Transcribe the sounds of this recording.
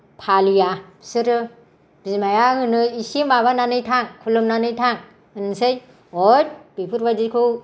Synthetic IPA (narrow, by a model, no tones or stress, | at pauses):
pʰalijasɯɾɯ | b̥izmajaŋɯnɯisimbaβananɯjtʰaŋkʰulɯmnanɯjtʰaŋ | ɯnɯsɯj | ojb̥ipʰuɾbadikʰɯw